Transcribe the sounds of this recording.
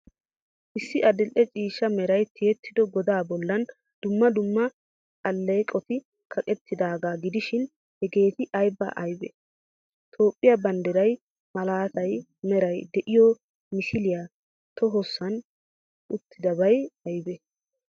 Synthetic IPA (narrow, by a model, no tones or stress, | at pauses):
ʔɪsːɪʔɐd̪ɪlʔɛt͡ʃʼiːʃːɐmɛɾɐjt̪ʰɪjɛt̪ːɪd̪ɔɡɔd̪aːbɔlːɐn | d̪̥ʊmːɐd̪ʊmːɐ | kʼɐlːekʼɔt̪ɪ | kʰɐkʼɛt̪ʰːɪd̪aːɡaːɡɪd̪ɪʃɪn | hɛɡe̞ːt̪ɪʔɐjbɐ̰ʔɐjbɛ̰ | t̪ʰo̞ːpʼːɪjɐbɐnd̪ɛɾɐj | mɐlaːt̪ɐj | mɛɾɐjd̪ɛʔɪjɔ | mɪʃɪlɪja | t̪ɔɦɔsːɐn | ʊt̪ʰːɪd̪ɐbɐjɐjbɛ